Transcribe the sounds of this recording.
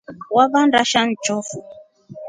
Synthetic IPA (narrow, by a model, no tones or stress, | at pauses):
waβanɾaʃan̩d͡ʒɔfu